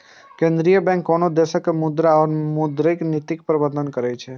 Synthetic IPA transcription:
kẽːnd̪ɾijəbɛ̃ŋkːɔnod̪eʃəkmʊd̪ɾaɔɾmʊd̪ɾeknɪt̪ɪk̚pɾəbəɾd̪ənkəɾɛt͡ʃʰe

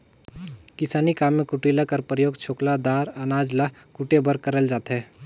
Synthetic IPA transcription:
kɪsaːnikaːmːẽkʊʈilakəɾpɾəjoːɡt͡ʃʰoːklad̪aːɾənaːd͡ʒla | kuʈebəɾkəɾəld͡ʒaːt̪ɦɛː

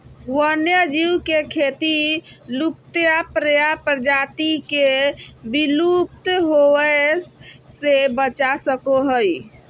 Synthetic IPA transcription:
wənjəd͡ʒiwkekʰet̪ilup̚t̪japɾəjapɾəd͡ʒat̪ikebilup̚t̪ɦoə | sebət͡ʃasəkoɦəj

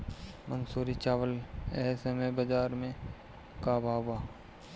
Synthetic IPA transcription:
mə̃ŋɡsoːɾit͡ʃaːʋəlesemẽbəd͡ʒaːɾmẽ | kaːbʱaːwaː

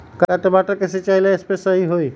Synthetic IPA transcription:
kat̪ebaʈəɾkeset͡ʃajlaespɾesəɦiɦoj

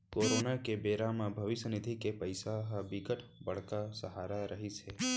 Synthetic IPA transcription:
koɾonakebeːɾamãbʱəʋɪʃənɪd̪ʱikepəjsaɦəbiɡəʈʰbəɽkasəɦaːɾaɾəɦit͡ʃʰe

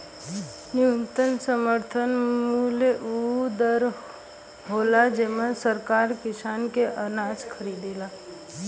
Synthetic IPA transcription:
nɪʋə̃nt̪ənsəməɾt̪ʰənmuleʔud̪əɾ | ɦoːlad͡ʒemãsəɾkaːɾkɪsaːnkeʔənaːd͡ʒkʰəɾiːd̪eːlaː

